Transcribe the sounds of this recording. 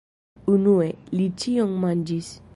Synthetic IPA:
unuelit͡ʃiɔŋmãnd͡ʒis

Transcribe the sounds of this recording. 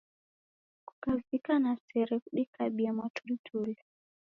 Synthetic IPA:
ku̥kavikanasɛɾɛkuɗikaɓiamatultʰuli

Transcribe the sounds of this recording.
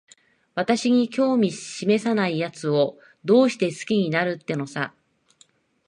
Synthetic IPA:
βat̪aɕiɲ̟ikʲo̞ːmʲiɕime̞sanaijat͡sɨo̞ | d̪o̞ːɕi̥t̪e̞sɨ̥kʲiɲ̟inaɾɯ̟t̪ːe̞no̞sa

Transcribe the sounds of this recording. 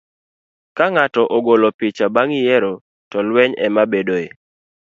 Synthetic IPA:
kaŋatɔʔoɡolɔpɪt͡ʃabaŋjɛɾo | tɔlwɛɲɛ̰mabedoe

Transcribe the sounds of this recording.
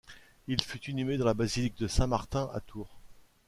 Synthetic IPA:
ilfyt̪inymed̪ɑ̃labazilik̚d̪əsɛ̃maʁt̪ɛ̃ʔa̰t̪ʰuːʁ

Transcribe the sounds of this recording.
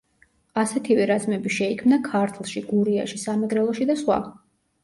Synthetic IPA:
asɛt̪ʰivɛɾazmɛbiʃɛikʰmnakʰaɾt̪ʰlˠʃiɡuɾiaʃisamɛɡɾɛlˠɔʃid̪asχwa̰

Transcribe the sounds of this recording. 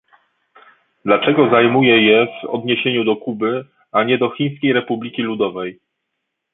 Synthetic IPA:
d̪lat͡ʂɛɡɔzajmujɛjɛvɔ̰d̪ɲeɕeɲud̪ɔkubɘ | aɲɛd̪ɔxʲij̃ɲ̃skʲejɾɛpublʲikʲilud̪ɔvɛj

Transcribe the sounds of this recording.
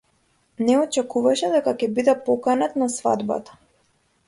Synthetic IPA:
nɛɔt͡ʃɛkuvaʃɛd̪ɛkakɛbid̪ɛpɔkanat̪nasva̰d̪ba̰t̪ḁ

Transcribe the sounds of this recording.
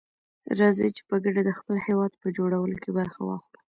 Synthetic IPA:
ɾɑzə̰t͡ʃe̥pəɡaɖad̪əxpəlhewɑd̪̚pəd͡ʒoɽawəlokebaɾxa̰wɑ̰xɾa

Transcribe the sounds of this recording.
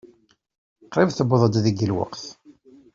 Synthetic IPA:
qːɾˤɪvθəbəðˤəd̪ðəɡəlwə̰qθ

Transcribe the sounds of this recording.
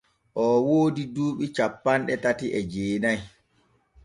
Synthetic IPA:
ʔɔwoːdiduːɓit͡ʃapːanɗɛtatiʔɛd͡ʒeːnaj

